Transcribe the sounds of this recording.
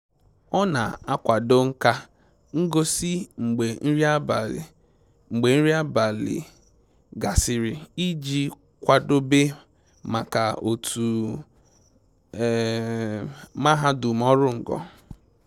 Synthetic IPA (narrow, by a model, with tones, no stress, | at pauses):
ɔ˦na˨a˦kʷa˨do˦ŋ̩˦ka˦ | ŋ̩˦ɡo˦si˦ŋ͡m̩˨ɡ͡be˨n̩˦ɾi˦a˦b | ŋ͡m̩˨ɡ͡be˨n̩˦ɾi˦a˦ba˨lɪ̰˨ | ɡa˨sɪ˨ɾɪ˨i˦d͡ʒi˦ | kʷa˨do˦be˦ | ma˨ka˨o˨tʰu˨ | ma˦ɦa˦du˨mɔ˦ɾʊ˦ŋ̩˨ɡɔ̰˨